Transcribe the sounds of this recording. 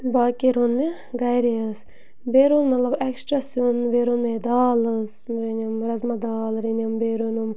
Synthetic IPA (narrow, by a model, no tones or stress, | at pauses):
baːkiɾonme | ɡɐjɾiəs | beːɾonmɐt̪lɐbɛksʈɾasonbeːɾonmed̪aːlɨsɾenʲimɾɐzmɐd̪aːlɾenɐmbeːɾunum